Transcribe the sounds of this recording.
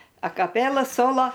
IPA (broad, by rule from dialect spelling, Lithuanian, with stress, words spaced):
ɐkɐˈpʲeːlˠɐ ˈsoːlˠoː